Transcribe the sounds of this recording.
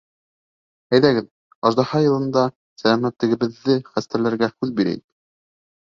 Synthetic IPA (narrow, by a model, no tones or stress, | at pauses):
æjðæɡɘð | ɑʒd̪ɑhɑjɤ̆lˠɤ̆nd̪ɑ | sælæmæt̪lɘ̆ɡɘ̆βɘ̆ðːɘχæst̪æɾlæɾɡæhʉðbiɾæ̰jɘk